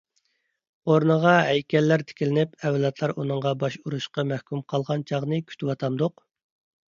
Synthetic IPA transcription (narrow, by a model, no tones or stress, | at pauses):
oɾnəʁɑɦɛjkʲɛlːæɾt̪ʰɪ̥kʲilɪnɪpɛwlˠɑt̪ʰlˠɑɾʔunɨŋʁɑbɑʃuɾuʃqɑmæhkʲymqʰɑlˠʁɑnt͡ʃʰɑʁnɨkʲʰy̥t̪ʰɪwɑt̪ʰɑmd̪ʊq